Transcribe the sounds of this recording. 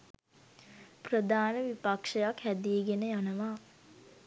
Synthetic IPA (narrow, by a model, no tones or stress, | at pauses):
prəd̪aːnəʋipakʂəjakhæd̪ieɡenəjanəʋaː